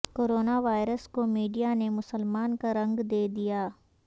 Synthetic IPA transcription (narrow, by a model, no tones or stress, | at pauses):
koːɾoːnaʋaːɪɾəskomiːɖijanemʊsəlmaːnkaɾɐ̃ŋɡd̪eːd̪ijaː